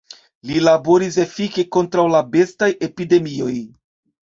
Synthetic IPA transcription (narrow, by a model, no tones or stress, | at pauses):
lilabo̞ɾise̞fike̞ko̞ntɾawlabe̞staje̞pide̞mio̞j